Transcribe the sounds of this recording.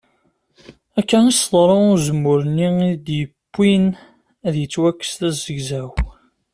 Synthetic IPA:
ækːænisðˤɾˤəʊzəmːʊɾənːiid̪jəpːin | æðjət͡sːwækːə̥st̪æzəʝzæw

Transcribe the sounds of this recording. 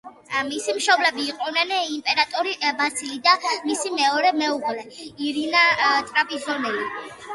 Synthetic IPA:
misimʃɔblɛbiːqʼɔnɛnimpʼɛɾat̪ʼɔɾibasilid̪amisimɛɔɾɛmɛuʁlɛiɾinat̪ʼɾapʼizɔnɛli

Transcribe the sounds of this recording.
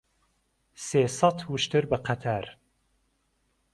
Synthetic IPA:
seːsɑt̪huʃt̪ɨɾbɨqʰat̪ʰaɾ

